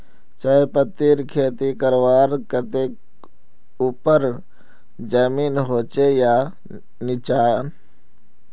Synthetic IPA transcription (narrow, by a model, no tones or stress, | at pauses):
t͡ʃaːepət̪ːiːɾkʰeːt̪ikəɾʋaːɾkət̪ek | uːpəɾ | d͡ʒəmiːnɦoːt͡ʃejaː | nɪt͡ʃaːjan